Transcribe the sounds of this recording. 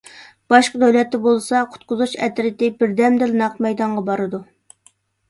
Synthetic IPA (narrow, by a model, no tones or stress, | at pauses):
b̥ɑʃqəd̪øwlɛt̪ːɛbolˠsɑqʰʊ̥t̪̚qʊzut͡ʃɛt̪ɾɪt̪ɪbɪɾd̪ɛmd̪ɪlnɑqmɛjd̪ɑɴʁɑbɑɾɨd̪u